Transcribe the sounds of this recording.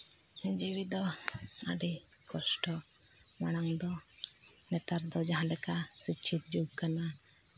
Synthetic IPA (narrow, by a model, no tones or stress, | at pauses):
d͡ʒiwid̪ɔa̰ɖi | kɔsʈɔ | maɽ̃aŋd̪ɔ | nɛt̪aɾd̪ɔd͡ʒaɦãlɛkasit͡ʃʰit̪̚d͡ʒuɡ̚kana